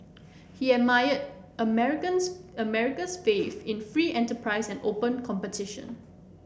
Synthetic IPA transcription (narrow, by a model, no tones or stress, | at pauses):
hiɛmajəd | əmɛɹɪkə̃nsəmɛɹɪkəsfefɪ̃nfɹiːʔɛ̃ntəpʰɹaɪsɛ̃ndopə̃nkʰɔ̃mpətʰɪʃə̰̃n